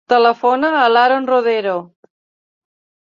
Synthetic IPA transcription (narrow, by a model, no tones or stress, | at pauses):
t̪ələfonaːlaɾonroðeɾo